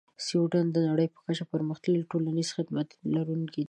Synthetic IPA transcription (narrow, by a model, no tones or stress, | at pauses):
siuʈand̪ənaɽəjpə̥kat͡ʃapəɾməxt̪alʈolaniz̥xɪd̪mat̪laɾuŋki